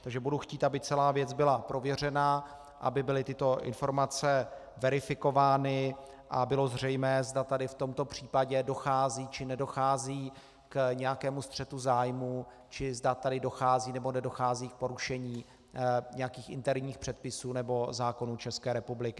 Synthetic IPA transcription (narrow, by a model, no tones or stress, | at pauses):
t̪aɡʒɛbuduxciːt̪abɪt͡sɛlaːvjɛd͡zbɪlapɾo̞vjɛr̝ɛna | ʔa̰bɪbɪlɪt̪ɪt̪o̞ʔɪ̰nfo̞ɾmat͡sɛ | vɛɾɪfɪko̞vaːnɪ | ʔa̰bɪlo̞zr̝ɛjmɛːzdat̪adɪft̪o̞mt̪o̞pr̝̥iːpaɟɛdo̞xaːziːt͡ʃɪnɛdo̞xaːziː | kɲɛjakɛːmust̪r̥ɛt̪uzaːjmuː | t͡ʃɪzdat̪adɪdo̞xaːziːnɛbo̞nɛdo̞xaːziːk̚po̞ɾuʃɛɲiː | ɲɛjakiːxʔɪ̰nt̪ɛɾɲiːxpr̥ɛt̪̚pɪsuːnɛbo̞zaːko̞nuːt͡ʃɛskɛːɾɛpublɪkɪ